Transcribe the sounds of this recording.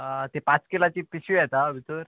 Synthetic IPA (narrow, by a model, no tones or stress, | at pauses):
at̪epãt͡skilat͡ɕiːpiɕijɛt̪abit̪uːɾ